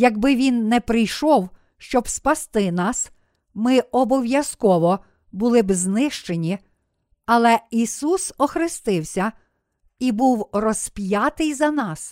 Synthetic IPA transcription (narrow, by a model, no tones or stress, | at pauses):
jɐɡbɪʋʲinːɛpɾɪjʃɔw | ʃt͡ʃɔbspɐst̪ɪnɑs | mɪɔbɔwjɐskɔʋɔ | bʊlˠɪbznɪʃt͡ʃe̞nʲi | ɐlˠɛisusɔxɾɪst̪ɪwsʲɐ | ibuwrɔspʲjɑt̪ɪjzɐnɑs